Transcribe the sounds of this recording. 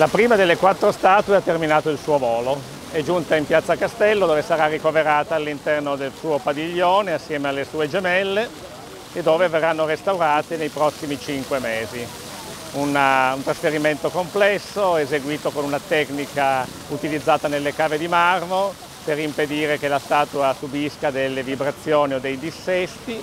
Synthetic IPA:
lapɾiːmad̪elːekwat̪ːɾost̪aːt̪weat̪ːerminaːt̪oilsuːovoːlo | ɛd͡ʒunt̪aimpjat̪sːakast̪ɛlːod̪oːvesaɾarːikoveɾaːt̪aːlːint̪ɛrnod̪elsuːopad̪iʎːoːneasːjɛːmealːesuːed͡ʒemɛlːeː | d̪ːoːveverːanːoɾest̪awɾaːt̪enejpɾɔsːimit͡ʃiŋkwemeːzi | unaunt̪ɾasfeɾiment̪okomplɛsːoezeɡwiːt̪okonunat̪ɛknika | ut̪ilid̪zːaːt̪anelːekaːved̪imarmo | peɾimped̪iːɾekelast̪aːt̪uasubiskad̪elːevibɾat̪sːjoːniod̪ejd̪isːɛst̪i

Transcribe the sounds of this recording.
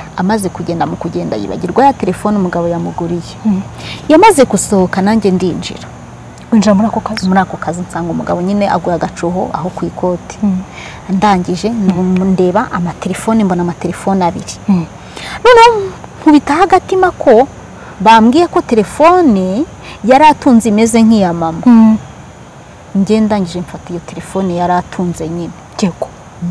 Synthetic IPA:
amaze̞kuɟe̞ːndamukuɟe̞ːnda̰jḭβa̰ɟiɾɡwajate̞ɾe̞fo̞ːnumuɡaβojamuɡuɾijejamaze̞kuso̞hokanaɲɟe̞ndind͡ʒḭɾa | ind͡ʒiɾamuɾakokazmuɾaːkokazinsaːŋɡumuɡaβo̞ɲineʔa̰ɡuɾaɡat͡ʃuɦo̰ʔa̰ɦo̞kwiːko̞ti̥ | ndaːɲɟiʒe̞nnde̞ːβaʔːmate̞ɾe̞fo̞nimbo̞namate̞ɾefo̞naβiɾi̥ | noːnahoŋ̥huβitahaɡatimakʰo̞ | βamɡiːɾako̞te̞ɾe̞fo̞ni | jaɾatuːnzime̞ze̞ŋ̥ijamama | ɲɟe̞ːndaːɲɟiʒe̞ɱfatijo̞te̞ɾe̞fo̞ːnijaɾatʰuːnze̞ɲineeɡo

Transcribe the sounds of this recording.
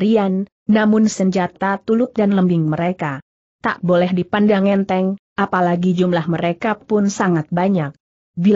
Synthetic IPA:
ɾianː | amʊnsəɲd͡ʒat̪at̪ulʊt̪̚danləmbɪŋməɾeka | t̪aʔbolɛhdipandaŋɛnt̪ɛŋʔapalaɡid͡ʒumlahməɾekapʊnsaŋat̪̚baɲak̚ | bi

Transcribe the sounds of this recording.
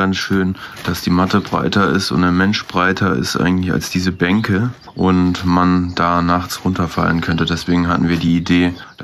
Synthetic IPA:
ansʃøːnd̥asd̥iːmatəbʁa̰ɪtɐɪ̰stʊ̰ntdaːmɛnʃb̥ʁaɪtʰɐɪ̰stʔa̰ɪɡŋ̩tlɪça̰lsd̥iːzəbɛŋkʰə | ʔʊntmand̥aːnaχt͡sʁʊntɐfa̰lənkʰœntədɛsv̥eːɡŋ̩ɦatn̩viːɐdiːide̥ː

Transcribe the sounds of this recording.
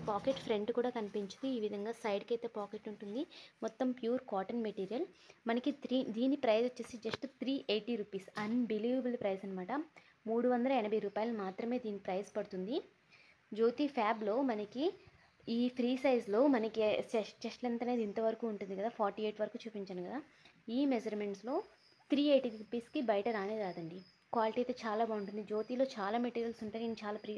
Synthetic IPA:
paːkeʈpʰɾeɳɖkuːɽaːkɐnipiɲt͡ʃind̪iːʋid̪ʱɐŋɡaːsɐjɖkɐjt̪eːpaːkeʈuɳʈund̪imɔt̪ːɐmpjuːɾkaːʈɐnmeʈiːɾijɐlmɐnɐkit̪ʰɾid̪iːnːipɾɐjsit͡ʃːeːsid͡ʒɐsʈt̪ʰɾiːʔeːʈiːɾuːpiːsɐnbiliːʋɐbɐlpɾɐjsɐnɐmaːʈɐ | muːɽuʋɐnd̪ɐlɐɛnɐbʱɐjɾuːpaːjɐlumaːt̪ɾɐme̞ːd̪iːnːipɾɐjspɐɽut̪und̪i | d͡ʒo̞ːt̪iːpʰaːblo̞ːmɐnɐki | iːpʰɾiːsɐjzlo̞ːmɐnɐkit͡ʃɛʂlɐnt̪ɐne̞ːd̪int̪ɐʋɐɾɐkuːɳʈund̪ikɐd̪aːpʰaːɾʈiːeːʈʋɐɾɐkuːt͡ʃuːpiɲt͡ʃɐaːnukɐd̪aː | iːmed͡ʒɐɾme̞ɳʈslo̞ː | t̪ɾiːeːʈiːɾupiːskibɐjɐʈɐɾaːnediɾaːd̪ɐɳɖi | kʋaːliʈiːt̪eːt͡ʃaːlaːbauɳʈund̪id͡ʒo̞ːt̪iːlo̞ːt͡ʃaːlaːmeʈiːɾijɐlsuɳʈaːjint͡ʃaːlaːpɾi

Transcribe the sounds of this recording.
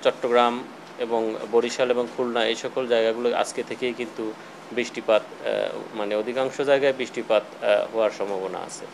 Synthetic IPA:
t͡ɕɔʈːoɡɾam | eboŋboɽiʃaleboŋkʰulnaejʃɔkold͡ʑaeɡaɡuloa̰d͡ʑket̪ʰekejkint̪u | bɾiʃʈipat̪maneod̪ʱikaŋʃod͡ʑaeɡaebɾiʃʈipat̪ɦɔaɾʃɔmbʱabona̰a̰t͡ɕʰḛ

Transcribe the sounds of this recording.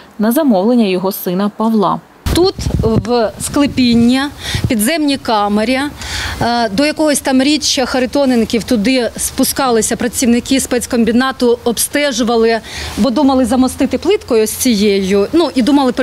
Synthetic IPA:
nɐzɐmɔwlˠenʲːɐjɔɦɔsɪnɐpɐʋlˠɑ̰ | t̪ut̪ʋsklˠɪpʲinʲːɐpʲid̪zɛmnʲikɑmeɾʲi | d̪ɔjɐkɔɦɔsʲt̪ɑmɾʲit͡ʃːɐxɐɾɪt̪ɔnɪnkʲiwt̪ʊd̪ɪspʊskɑlˠɪsʲɐpɾɐt͡sʲiwnɪkɪspɛt͡sʲkɔmʲbʲinɑt̪ʊɔbst̪ɛʒʊʋɐlˠɪbɔd̪umɐlˠɪzɐmɔst̪ɪt̪ɪplˠɪt̪kɔjʊsʲt͡sʲijejʊnuʔid̪umɐlˠɪp

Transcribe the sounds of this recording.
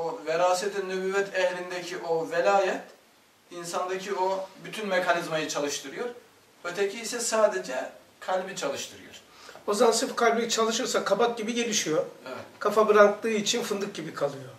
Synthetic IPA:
oveɾaːset̪ʰinːybyːvɛt̪ʰɛhlʲind̪ɛcʰiʔovelʲaːjɛt̪ | insand̪acʰiobyt̪ʰynmekʰanizmajɯt͡ʃʰalˠɯʃt̪ʰɯɾɯjo̞ɾ | ø̞t̪ʰecʰiːsɛsaːd̪e̞d͡ʒɛ | kʰalʲbit͡ʃʰalˠɯʃt̪ʰɯɾɯjo̰ɾ̥ | ozamansɯfkʰalʲbɯjt͡ʃʰalˠɯʃɯjoɾsakʰabak̚ɟibiɟe̞lʲiʃijoevɛt̪kʰafabɯɾaklˠɯːit͡ʃʰinfɯnd̪ɯk̚ɟibikʰalˠɯjo

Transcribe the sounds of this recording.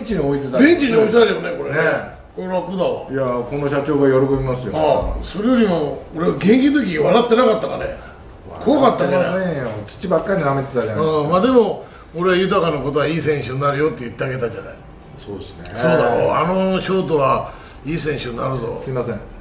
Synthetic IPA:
t͡ɕiɲioit̪et̪abẽ̞ɲt͡ɕiɲio̞it̪et̪aɾijone̞ko̞ɾen | koɾe̞βakod̪aβa̰jakono̞ɕat͡ɕo̞ːɡajo̞ɾoko̞bʲimasɨjoaso̞ɾe̞jo̞ɾʲimooɾeβaɡẽ̞ŋkʲid̪ɯk̬ʲiβaɾat̪ːe̞nakat̪ːaka̰ne̞̰ | a̰kʰo̞βakat̪ːamiaeot͡sɨ̥t͡ɕibakːaɾʲinamet̪et̪aaɯ̃ːmaːd̪e̞mo̞ | oɾe̞βajɯ̟t̪akanako̞t̪̬o̞βaiːsẽ̞ɰ̃ɕɨɲːaɾɯ̟jo̞t̪ːejɯt̪ːe̞aɡe̞t̪ad͡ʑana̰i | soːd̪esɨ̥neso̞ːd̪ajo̰ano̞ɕo̞ːt̪̬oβa | iːsẽ̞ɰ̃ɕɨɲnaɾɯzo̞̰sɨimasẽ

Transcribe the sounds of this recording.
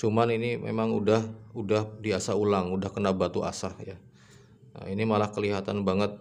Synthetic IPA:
sumaninimʔḛmaŋudahudahdiasaɦulaŋudahkənabat̪uʔa̰sahja | ə̰inimalahkəliɦat̪anbaŋət̪̚

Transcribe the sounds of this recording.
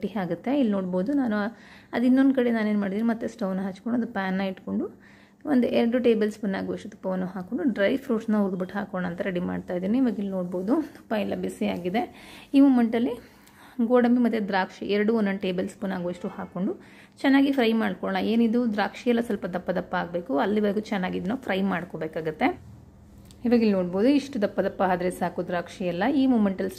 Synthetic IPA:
ʈiɦaːɡut̪ːe̞ilːnoːɽboːd̪unaːnuɐd̪inːond̪kɐɽenaːne̞ːnumaːɽid̪iːnimɐt̪ːesʈownɐɦɐt͡ʃːkoɳɖuɐd̪upaːnːɐiʈko̞ɳɖu | ond̪uʔɛɾɐɽuʈe̞ːbɐlspunːaːɡoɐʂʈut̪u̥pːɐʋɐnːuɦaːkoɳɖuɖɾɐjpʰɾuːʈsnɐuɾd̪biʈɦaːkɔːɳaːnt̪ɐɾeɽima̰ːɖt̪aːjid̪iːniiʋaɡilːno̞ːɽboːd̪ut̪u̥pːailːɐbisiaːɡid̪e̞iːmuːmeɳʈɐlːi | ɡoːɽɐmbimɐt̪ːjed̪ɾaːkʂḭʔɛɾɐɽuonːɐɳʈe̞ːbɐlspunaːɡuiʂʈuhaːkoɳɖu | t͡ʃɛnːaːɡipʰɾɐjmaːɽkɔɭɳɐeːnid̪ud̪ɾaːkʂijɐlːɐsɐlpɐd̪ɐpːɐd̪ɐpːɐaːɡbe̞ːkuɐlːiʋɐɾɡut͡ʃɛnːaːɡid̪nɐpʰɾɐjmaːɽkobeːkaːɡut̪ːe̞ | iʋɐːɡilnoːɽboːd̪uiʂʈud̪ɐpːɐd̪ɐpːɐaːd̪ɾesaːkud̪ɾaːkʂijɐlːɐiːmuːmeɳʈɐls

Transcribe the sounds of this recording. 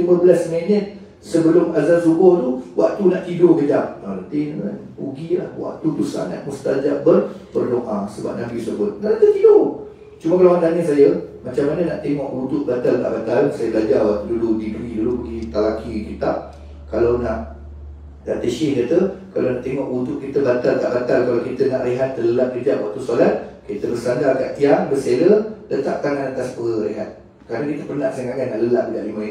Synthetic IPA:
liməbəlasmɛnət̪̚ | səbəlʊmazansubɔht̪uwʔa̰ʔt̪unaʔt̪idoɡəd͡ʒamalat̪in | ṵɡilahwa̰ʔ̚t̪ut̪usa̰nːa̰ʔmust̪ad͡ʒaʔ̚bərpərloŋʔasəba̰p̚nabisəbʊt̪̚nalat̪ət̪ido | t͡ʃuməkalawant̪anəsajəmat͡ʃamːanənaʔt̪eŋɔʔbut̪ʊʔ̪̚bat̪alt̪a̰ʔbat̪aənsajəbəlad͡ʒawaʔt̪uduludidɾidulubəɡit̪alakikit̪aʔ | kalawnaʔ | da̰t̪eʃɪhdat̪əka̰lanaʔt̪eŋɔʔbud̪ʊʔkit̪əbat̪alt̪a̰ʔbat̪alkalawkit̪ənaʔreɦat̪̚ːələlat̪̚kəd͡ʒaʔwaʔt̪usolat̪̚kit̪əbərsandarkaʔt̪iaŋbəselədant̪a̰ʔt̪aŋanat̪aspəəɾeɦa̰t̪̚ | kəɾanakit̪əpərnaʔsəŋkaɡanːaʔləlaʔəɡaʔlimə̃in

